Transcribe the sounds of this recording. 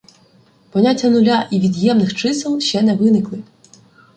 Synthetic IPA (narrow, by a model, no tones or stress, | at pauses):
pɔnʲatʲːɐnʊlʲaʔiʋʲid̪jɛmnɪxt͡ʃɪsɪlˠʃt͡ʃɛnɛʋɪnɪklˠɪ